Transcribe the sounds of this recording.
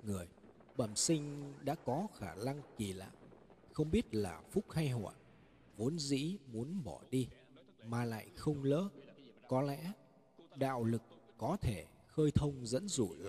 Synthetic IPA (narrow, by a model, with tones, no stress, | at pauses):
ŋɨ˨˩əj | ɓə˧˩msï˧ŋ̟ɗa̰ː˧˥kɔ˨˦xaː˧˩na˧ŋki˨˩la̰ː˧˨j | xə˧wŋ͡mɓi˦˥ət̚la̰ː˨˩fʊ˦˥k͡p̚ha˧jɦwa̰ː˧˨˩j | vo˨˦ənzḭ˧˥mu˨˦ənɓɔ˧˩ɗi˧ | maː˨˩la̰ː˧˨jxə˧wŋ͡mlə̰ː˨˦kɔ˨˦lɛ̰˧˥ | ɗa̰ː˧˨wlɨ˨˩k̚ː | ɔ˨˦t̪ʰe˧˩ | xəː˧jt̪ʰə˧wŋ͡mzə̰˧˥nzu˧˩l